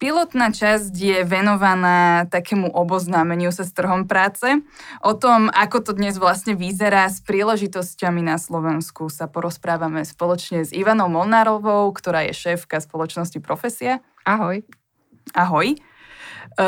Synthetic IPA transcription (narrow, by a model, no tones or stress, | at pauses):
pilɔt̪naːt͡ʃazcjɛʋɛnɔʋanaːt̪akɛːmuʔɔbɔznaːmɛɲɪusast̪r̩ɦɔmpɾaːt͡sɛʔɔt̪ɔmakɔt̪ɔd̪ɲɛzʋlasɲɛʋizɛɾaːspɾiːlɛʒit̪ɔscaminaslɔʋɛnskusapɔɾɔspɾaːʋamɛspɔlɔt͡ʃɲɛziʋanɔʊmɔlnaɾɔʋɔʊkt̪ɔɾaːjɛ̰ʃɛːfkaspɔlɔt͡ʃnɔscipɾɔfɛsia | aɦɔj | aɦɔj